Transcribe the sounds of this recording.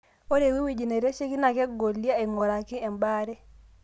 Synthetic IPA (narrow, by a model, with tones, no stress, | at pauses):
o˦ɾe˨wi˦wi˨d͡ʒi˨ne˨ɾe˦t͡ʃe˦ki˦na˨ke˦ɡo˨li˦a˦e˨ŋo˨ɾa˨ki˦e˨mba˦ɾe˦